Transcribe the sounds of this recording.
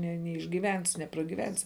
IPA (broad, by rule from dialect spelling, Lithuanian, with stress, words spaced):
nʲɛ nʲɛɪʒʲɡʲiːˈʋʲɛnʲsʲɪ nʲɛprɐɡʲiːˈʋʲɛnʲsʲɪ